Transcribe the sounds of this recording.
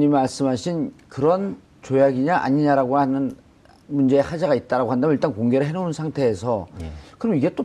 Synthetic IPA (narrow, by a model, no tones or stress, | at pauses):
ɲimaɭs͈ɯmɦaɕʰinkɯɾʌn | t͡ɕojaɡiɲaʔa̰ɲiɲaɾaɡohanɯn | mund͡ʑe̞ːhad͡ʑaɡait̚t͈aɾaɡoɦandamjniɭt͈ankoŋɡe̞ɾɯɭɦe̞nounsʰaŋtʰe̞ːsʰʌkɯɾʌmiɡe̞t͈o